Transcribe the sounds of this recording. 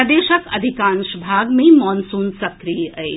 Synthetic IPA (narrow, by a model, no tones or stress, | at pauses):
d̪eːʃəkɐd̪ʱikãnʃbʱaɡmemɔnsunsɐkɾijəj